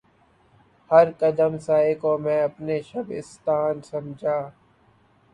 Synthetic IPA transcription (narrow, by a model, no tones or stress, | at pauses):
həɾkəd̪əmsaːekoːmɛ̃ːəpneːʃəbɪ̰st̪aːnsəmd͡ʒʱaː